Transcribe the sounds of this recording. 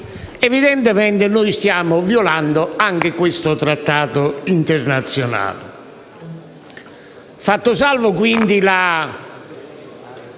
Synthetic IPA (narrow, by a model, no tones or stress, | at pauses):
ɛviðɛnt̪ɪmɛnt̪ɪnʊjst̪jaːmʊvjɔland̪ʊaŋk̟ɪkwɪst̪ʊt̪ɾat̪ːaːt̪ʊint̪ɪɾnat̪sːjɔna̰ːlɪ | fat̪ːʊsalvʊkwind̪ila